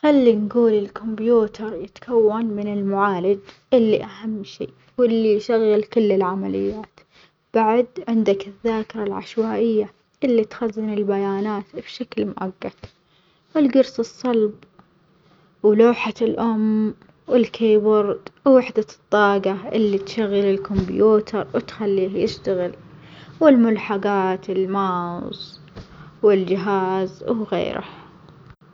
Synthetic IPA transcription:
xalːinɡuːlɪlkʊmbjuːt̪ʰɑɾˤjɪt̪ḁkʰawːanmɪnɪlmʊʕaːlɪd͡ʒ | ʔɪlːiʔaɦamːʃḛː | wɪlːijʃaɣːɪlkʊlːɪlʕamalɪ̰jːaːt̪ | b̥aʕd̪ʕɪnd̪akɪðːaːkɪɾˤɑlʕa̰ʃwaːʔɪjːa | ʔɪlːit̪xazːɪnɪlbajaːnaːt̪bʃaklmʊ̰ʔaɡːad̪̥ | wɪlɡʊɾsɨsˤːɑlb | wloːħaɪlʔʊm | wɪlkʰeːbʊɾˤd̪wːɪħd̪at̪ˤːɑːɡaʔɪlːit̪ʃaɣːalɪlkʊmbjuːt̪ʰɑɾˤwɪt̪xalːiːhjɪʃt̪aɣɪlwɪlmʊlħaɡaːt̪ɪlmas | wɪld͡ʒɪɦaːzwɣḛːɾʔa̰

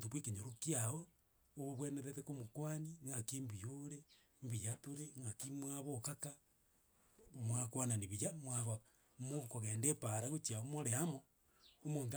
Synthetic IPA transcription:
tuβwekeɲoɾokjaoː | βoβweneðetekomokwaniŋɡakimbijoɾe | mbijatoɾeŋɡakimwaβokaka | mwakwananiβijamwaβa | mokoɣeːndepaɾaɣot͡ʃiaomoɾeamo | omoːnt

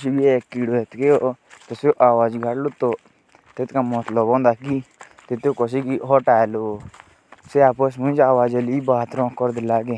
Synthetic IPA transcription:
ksibieːkːiːɽoet̪keot̪oseʔaːʋaːd͡ʒɡʱaɽlot̪oː | t̪et̪kamɔt̪ləbõːnd̪aːki | t̪ɪt̪okɔs̬ikiɦɔːʈaːlo | seaːpəs̬mʊ̃d͡ʒaːwaːd͡ʒelibaːt̪ɾɔ̃ːkːɔɾd̪elaːɡe

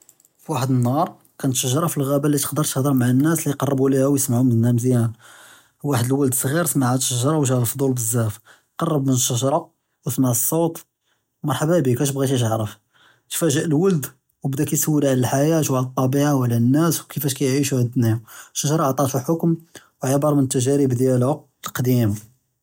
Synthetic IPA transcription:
fwaħəd̪ənːɑɾˤ | kænət̪ʃəʒɑɾˤɑfilɣæbælːit̪ə̥qd̪əɾˤt̪ə̥xd̪əɾˤmaʕanːæslijqɑrˤːəbulihæwjəsmaʕumənːæmzjæn | waħəd̪əlwəld̪əsˤɣiɾsmaʕæʃəʒɑɾˤɑwʒæəlfd̪ˤulbəzːæf | qɑrˤːəbmənʃəʒɑɾˤɑ | wəsmaʕəsˤːot̪ˤ | mɑɾˤħabæbikæʃ̬bɣit̪iʒ̬əʕɾəf | t̪fæʒəʔəlwəld̪ | wbd̪ækæjsəwːilʕlælħajæʃwʕlt̪ˤːɑbiʕawlːænːæswkəfæʃkæjʕiʃuhæd̪nihʃːəʒɾˤɑʕt̪ˤɑt̪huħʊkm | wʕəbɑɾˤmənət̪ːæʒæɾibd̪jælhʊ | əlqd̪im

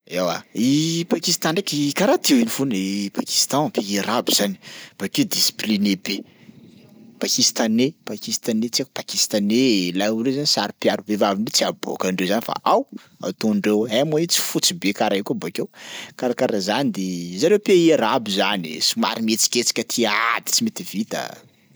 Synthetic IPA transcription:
ewa̰ipakist̪anekʲikaɾat̪ewinifunipaki̥st̪ãpeeɾabiz̥anib̥aked̪isi̥plinebe | pakist̪anepakist̪anet͡siakpakist̪anelaulezanisaɾipjaɾubevaviɳɖ͡ʐet͡siabo̰kaɳɖ͡ʐewzanifa̰ʔaw | a̰t̪oɳɖ͡ʐewaamoit͡si̥fut͡sibekaɾaekubakewkaɾakaɾazanid̪ezaɾewpeeɾabizanḭsuma̰ɾimet͡si̥kʲet͡si̥kʲət̪ʰiaad̪i̥t͡simet̪ivit̪a̰

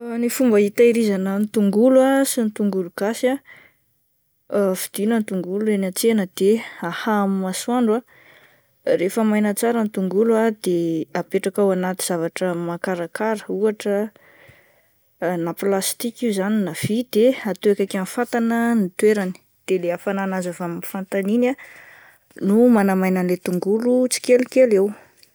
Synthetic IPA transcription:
nifumbəit̪aiɾizanənit̪uŋɡuluasint̪uŋɡuluɡ̥asa | fid̪̥inənt̪uŋɡuluenat͡senəd̪̥eahamimasuaɳɖ͡ʐwa | refəmajnət͡saɾənit̪uŋɡuluad̪eapeʈ͡ʂakawanat̪iz̥avaʈ͡ʂəmakaɾakaɾəuaʈ͡ʂə | naplast̪ikiuzaninav̥id̪eat̪uekakanfat̪anənit̪weɾani̥ | d̪̥eleafananazavamnfant̪anina | numanamajnənlet̪uŋɡulut͡si̥kelikelew

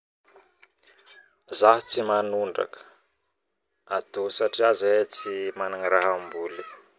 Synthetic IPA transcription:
zaɦit͡simanuɳɖ͡ʐa̰kə̥ | at̪osaʈ͡ʂiazaet͡simanaŋiɾaɦambuli̥

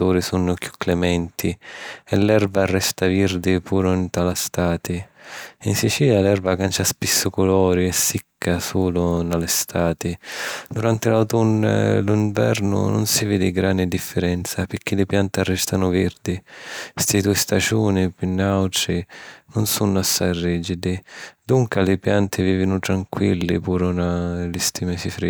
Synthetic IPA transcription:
uːɾɪsunːʊkju̥kːlɛmɛnt̪ʰiɛlːɛrbaːrːɛst̪avird̪ɪpuːɾʊint̪alast̪aːt̪ɪinsit͡ʃiːljalɛrbakant͡ʃaspisːʊkʊlɔːɾiɛsːikʰːasuːlʊnalɪst̪aːt̪ɪd̪uɾant̪ɪlawt̪un̰ːluiɱvɛ̰rnʊ̰nʊ̰nsiveːd̪ɪɡɾanɪd̪ifːɪɾɛnt̪sapɪɾk̟ːilɪpjant̪arːɛst̪anʊvɪrd̪ist̪id̪uːɪst̪ad͡ʒuːnɪpinːawʈɾinʊnsunːʊasːajriːd͡ʒid̪ɪd̪uŋkalɪpjant̪ʰɪviːvɪnʊt̪ɾaŋkwilːɪpuːɾʊnalɪst̪imɛsifɾi

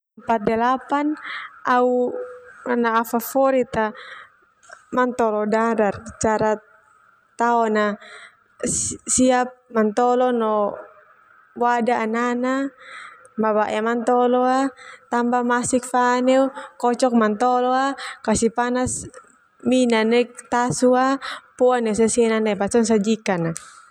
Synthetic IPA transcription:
mpat̪̚dɛlapanau | anaːfafɔɾit̪a | mant̪ɔlɔdaɾart͡ʃaɾa | t̪aɔna | siap̚mant̪ɔlɔnɔ | wadaanana | maβaʔamant̪ɔlɔat̪ambamasik̚fanɛukɔt͡ʃɔk̚mant̪ɔlɔakasipanas | minanɛk̚t̪asuapɔanɛs̬asiɛnanapat͡ʃɔns̬ad͡ʒikana

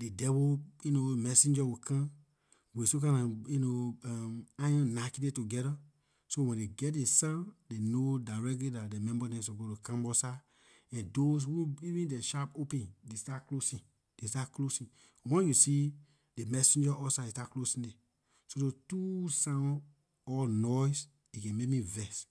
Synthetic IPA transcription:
dedɛbojunomɛsĩnd͡ʒawikʰã | wisok̬ãnãjunoamãjɔ̃nnakidetuɡɛɾa | sowɛ̃ndeɡɛt̚desãdenodaɹɛklidat̚demɛ̃mbɔdɛ̃suɡotukãmbɔsa | ɛ̃ndos̬huivĩndeʃapopɛ̃ndestaklosĩ | destaklosĩ | wɛ̃njusi | demɛsĩnd͡ʒaʔɔsadestaklosĩnde | sodotusã | ɔlnɔjs | ikɛ̃mekmĩvɛs

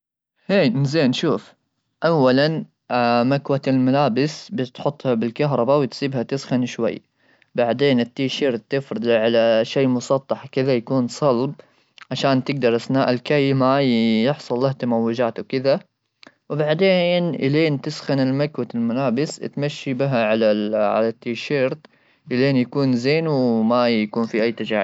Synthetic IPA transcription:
heːnɪzeːnʃuːf | ʔawːalan | makwaɪlmalaːbɪsbɪt̪ħʊt̪ˤːhabɪlkaɦɾˤɑbawɪt̪sˤiːbhat̪ɪsxanʃwa̰jː | baʕd̪eːnɪt̪ːiʃiːɾt̪ɪfɾɑd̪ʕalaʃeːmʊsˤɑt̪ˤːɑħkɪðajakuːnsˤɑlb̚ | ʕaʃaːnt̪ɪɡ̚d̪ɑɾˤʔasnaːʔɪlkajːmajɪħsˤʊlːaht̪amawːɪd͡ʒaːt̪wkɪða | wbaʕd̪eːnʔɪ̰leːnt̪ɪsxanɪlmakwat̪ɪlmʊlaːbɪst̪maʃːibɪɦaʕalaʕa̰lat̪ːiːʃeːɾt̪ | ʔɪleːnjakuːnzeːnwmajakuːnfiʔajːt̪ad͡ʒaːʕi

